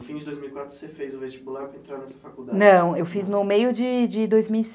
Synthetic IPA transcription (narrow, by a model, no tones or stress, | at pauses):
fĩd͡ʒɪd̪ojzmiwikwat̪ɾʊ̥sefejzũvest͡ʃibulaɾpɾɐẽt̪ɾaɾnɛsɐfakud̪anɐ̃w̃ewfiznʊmejʊd͡ʒɪd͡ʒɪd̪ojzmiwis